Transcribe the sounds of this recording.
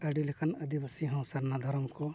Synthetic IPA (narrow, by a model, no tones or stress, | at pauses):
ɐɖilekɐnɐd̪ibɐsiɦɐ̃w̃sɐɾnad̪ʱɐɾmko